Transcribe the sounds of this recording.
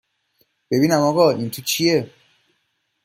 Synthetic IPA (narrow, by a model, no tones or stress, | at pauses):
b̥ebinæmɔɡɔint̪ʰut͡ʃʰie